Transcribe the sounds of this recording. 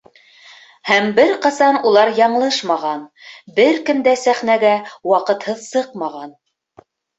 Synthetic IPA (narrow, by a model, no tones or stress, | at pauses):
hæmbɘɾqɑsɑnulˠɑɾjɑɴlˠɤʃmɑʁɑnbɘɾkɘ̆md̪æsæχnæɡæwɑqɤ̆t̪hɤðsɤqmɑʁɑn